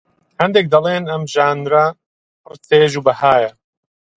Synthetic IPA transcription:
hɐnd̪ek̚d̪ɐlˠeːnɐmʒaːnɾɐ | rt̪eːʒuːbɐhaːjɐ

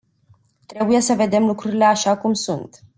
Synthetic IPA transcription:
t̪ɾe̞buje̞səve̞d̪e̞mlukɾuɾile̞aʃakumsunt̪

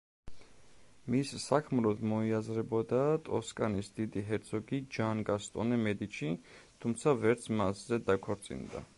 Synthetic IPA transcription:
misːakʰmlɔd̪mɔiazɾɛbɔd̪at̪ʼɔskʼanisd̪id̪iɦɛɾt̪sʰɔɡid͡ʒanɡast̪ʼɔnɛmɛd̪it͡ʃʰit̪ʰumt̪sʰavɛɾt̪sʰmaszɛd̪akʰɔɾt̪sʼḭnd̪a̰

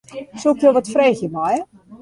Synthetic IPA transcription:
sulkjoʋɔtfreːxjəmɔj

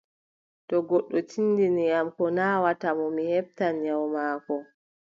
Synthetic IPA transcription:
tɔɡɔɗːɔtʰinːdinijamkɔnaːwatamɔmihɛb̚tanjawmaːkɔ

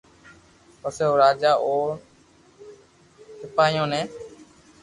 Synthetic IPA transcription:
pəseːɦoːɾaːd͡ʒaːʔoːɾ | tʰɪpaːjõːnẽː

